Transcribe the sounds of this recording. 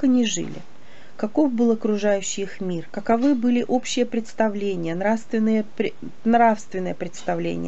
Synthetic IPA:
kɐnʲɪʐɨ̰lʲɪ̰ | kɐko̞fbɨlˠɐkɾʊʐajʉɕːɪxmʲirkəkɐvɨbɨlʲɪʔo̞pɕːɪjəpɾʲɪt̪st̪ɐvlʲenʲɪjənɾafst̪vʲɪnːɨjəpɾʲ | nrafst̪vʲɪnːəjəpɾʲɪt̪st̪ɐvlʲḛnʲɪ̰jə

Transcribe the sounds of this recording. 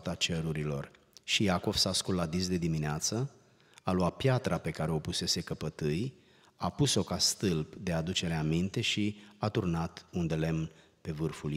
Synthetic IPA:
t̪at͡ʃe̞ɾuɾilo̞̰r | ʃijako̞v̥saskulːad̪is̬d̪e̞d̪imineat̪sə | aluat̪̚pjat̪ɾape̞kaɾe̞o̞puse̞se̞kəpət̪ɨj | apuso̞kast̪ɨlbd̪e̞ad̪ut͡ʃe̞ɾeamint̪e̞ʃiat̪urnat̪und̪e̞le̞mn | pe̞vɨrful

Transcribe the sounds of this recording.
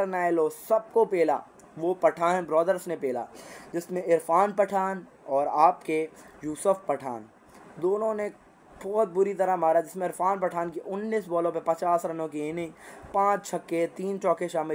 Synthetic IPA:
ɐɾnaːeloːsɐb̚kopeːla̰ː | ʋopɐʈʰaːnbɾɔːd̪əɾsnepeːla̰ːd͡ʒɪsmẽɪɾfaːnpɐʈʰaːn | ɔːɾaːpkejuːsʊfpɐʈʰa̰ːn | d̪oːnõne | bɔːt̪̚bʊɾit̪ɐɾaɦmaːɾad͡ʒɪsmẽɪɾfʰaːnpɐʈʰaːnkiʔʊnːiːsbɔːlõpepɐt͡ʃaːsɾɐnõk̬ieːnĩpãːt͡ʃt͡ʃʰɐkːet̪iːnt͡ʃɔːkeʃaːmɪ

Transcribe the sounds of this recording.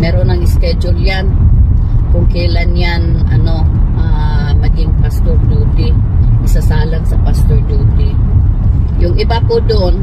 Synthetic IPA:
mɛːɾonɐŋɪskɛd͡ʒʊljan | kʊŋkɛlanjanɐ̰noʔa | mɐɡɪŋpast̪oɾd͡ʒuːt̪ɪʔɪsasaːlaŋsɐpast̪oɹduːt̪ɪ | jʊŋʔɪbapʊd̪oʔon

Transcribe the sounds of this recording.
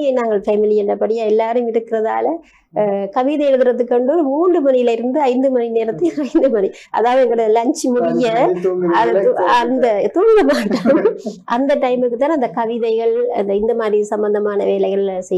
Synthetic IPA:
ɐnaːŋɡɐɭfɐmɪlɪɛndrɐpɐɽɪjaɛlːaːɾɐjmɪɾɯkːɪɾɐða̰ːlɐ | kɐʋɪðɐɛɻɯðɪɾɐt̪ːɯkːɐɳɖɯɔɾɯmuːndrɯmɐnɪjɪlɪɾɯnd̪ɯɐɪnd̪ɯmɐnineːɾɐt̪ːɯɐɪnd̪ɯmɐni | ʔɐ̰ðaːʋɐðɛŋɡɐɽɐlɐɲt͡ʃimʊɾɪjɐɐðt̪ɐnd̪ɐt̪uːɳɡɐmaːʈːɐːmʔɐnd̪ɐʈːɐɪmɯkːɯt̪ːaːnɐnd̪ɐkɐʋɪðɐɪɣɐɭɐ̰nd̪ɐɪnd̪ɐmaːd̪ɾisɐmbɐnd̪ɐmaːnɐʋeːlɐɪɣɐɭsɛj

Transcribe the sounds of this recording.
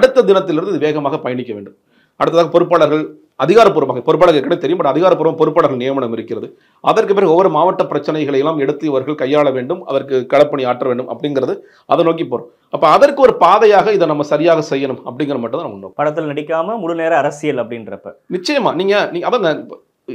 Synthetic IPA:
ɐɽɯt̪ːɐd̪ɪnɐt̪ːɪlɪɾɯnd̪ɪðɯʋeːɣɐmaːɣɐpɐjɐɳɪkʲːɐʋḛːɳɖɯm | ɐ̰ɽɯt̪ːɐðaːɣɐpɔɾɯp̬ːaːɭɐɾɣɐɭ | ɐðɪɣaːɾɐpːuːɾɐmaːɣɐpɔɾɯpːaːɭɐɾɣɛkːɐɳnet̪ɛɾɪjɯmpɐːɐðɪɣaːɾɐpːuːɾɐmpɔɾɯpːaːɭɐɾɣɐɭnɪjɐmɐɳɐmɪɾɯkːɪrɐðɯ | ʔɐ̰ðɐrkɯpːeːɾɔʋːɔɾɯmaːʋɐʈːɐpːɪɾɐt͡ʃːɐnɐɪɣɐɭɐjɛlːaːmɛɽɯt̪ːɯjɐʋɐɾɣɐɭkɐjːaːɭɐʋeːɳɖɯmɐ̰ðɐrkɯkːɐɽɐpːɐɳiaːʈrɐʋeːɳɖɯmʔɐ̰pːɐɽɪnɡɪɾɐðɯ | ʔɐðɐnoːk̬ipoːɾõː | ɐpːɐɐðɐrkɯɔɾɯpaːðɐjaːɣɐɪðɛnɐmːɐsɐɾɪjaːɣɐsɛjːɐnɯmɐpːɐɽɪŋɡɐɾɐɐmːɐʈːɯnt̪ːnːɐmɐʊnːo̰ːkːɯpɐɽɐt̪ːɪlnɐɽɪkʲːaːmɐmʊɽɯneːɾɐɐɾɐsɪjɐlɐpːɐɽɪnɪɾɐpːɐ̰nɪt͡ʃːɐjɐma̰ːniːŋɡɐniːŋɡɐpːɐnɐ

